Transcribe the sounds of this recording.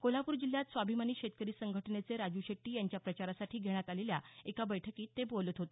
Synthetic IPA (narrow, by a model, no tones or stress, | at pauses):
kolapuːɾd͡ʑiljat̪sʋabʱimaniːɕet̪̚kəɾiːsəŋɡʱəʈənet͡seɾad͡ʑuɕeʈːiːjaɲt͡ɕjapɾət͡ɕaɾasaʈʰiːɡʱeɽ̃jat̪aleljaekabəjʈʰəkiːt̪ːebolət̪ɦot̪e̥